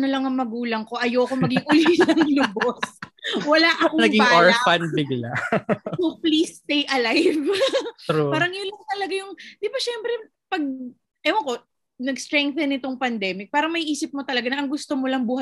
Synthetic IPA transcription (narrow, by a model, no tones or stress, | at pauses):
nolɐŋɐŋmɐɡuːlɐŋko̞ʔɐjoːkomɐɡɪʔʊlinɐŋŋlʊboswɐlaʔɐkonɐɡɪbŋːaɹfɐnbɪɡla | oplist̪ejʔɐlajv | oaːɾɐŋjʊnlɐŋt̪ɐlɐɡajʊŋd̪̥ɪbaʃɛmpɾɛ | pɐɡ̚ | ʔɛwɐko̞ | nɐɡst̪ɾɛŋk̚θɛnɪt̪o̞ŋpɐnd̪ɛːmɪk̚paːɾɐŋmɐjʔiːsɪp̚mot̪ɐlɐɡanɐʔɐŋɡʊst̪omolɐŋbuːhɐ